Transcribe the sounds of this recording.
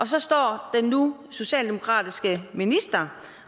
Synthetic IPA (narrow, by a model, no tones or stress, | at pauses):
ʔɒ̽sɒ̽sd̥ɒ̰ːd̥enːuso̝ɕɛ̰ːld̥e̝mo̝kʰʁɑ̰̈ːd̥isɡ̥əminisd̥ɐ